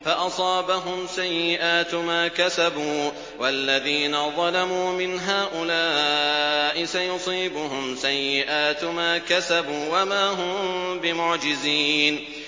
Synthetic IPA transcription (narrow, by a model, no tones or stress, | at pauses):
faʔɑsˤɑːbaɦʊmsajːɪʔaːt̪maːkasabuː | walːaðiːnaðˤɑlamuːmɪnɦaːʔʊlaː | ʔɪsajʊsˤiːbʊhʊmsajːɪʔaːt̪maːkasabuːwamaːɦʊmbɪmʊʕd͡ʒɪziːn